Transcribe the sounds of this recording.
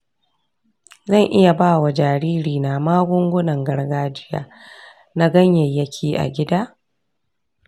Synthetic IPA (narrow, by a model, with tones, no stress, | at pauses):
zɐ˦˨ŋʔɪ˦ja˨baː˦˨wa˨d͡ʒaː˨ɾiː˦ɾiː˨na˨maː˦ɡʷʊ˦ŋɡʷʊ˦nɐ˨ŋɡɐ˦ɽɡaː˦d͡ʒɪ˦ja̰ː˨ | na˦ɡɐ˦ɲjɐ˨jːɐ˦kʲʰiː˦ʔa̰˨ɡʲɪ˦daː˦